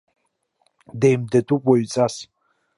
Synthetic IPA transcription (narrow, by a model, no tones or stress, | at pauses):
dejmdadʰupʼwaɥt͡sʼas